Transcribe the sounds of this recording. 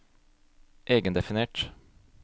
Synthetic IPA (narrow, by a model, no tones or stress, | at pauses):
ʔeːɡənd̪ɛfɪneːʈ